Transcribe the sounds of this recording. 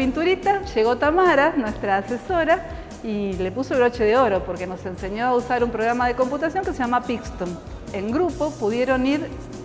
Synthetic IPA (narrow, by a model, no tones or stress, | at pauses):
int̪uɾit̪aʃeɣo̞t̪amaɾanwe̞st̪ɾaːse̞so̞ɾa | ile̞puso̞βɾo̞t͡ʃe̞ðeo̞ɾo̞po̞ɾke̞no̞se̞nse̞ɲo̞ausaɾumpɾo̞ɣ̞ɾamaðe̞ko̞mput̪asjo̞ŋkeseʒamapikst̪on | eŋɡɾupo̞puðje̞ɾo̞niɾ